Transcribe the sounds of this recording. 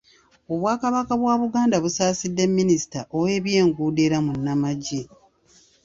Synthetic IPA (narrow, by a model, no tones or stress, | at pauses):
o̞βwaːkaβakaβwaːβuɡaːndaβusaːsidːe̞mːinisi̥taʔowe̞ːβje̞ːŋɡuːde̞ɾamunːamaɟe